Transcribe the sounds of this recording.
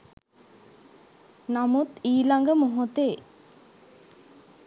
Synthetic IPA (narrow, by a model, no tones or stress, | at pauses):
namut̪iːlaŋɡəmoɦot̪eː